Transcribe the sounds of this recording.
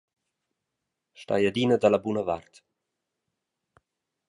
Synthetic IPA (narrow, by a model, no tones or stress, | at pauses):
ʃta̰jad̪inəd̪alabunəvart̪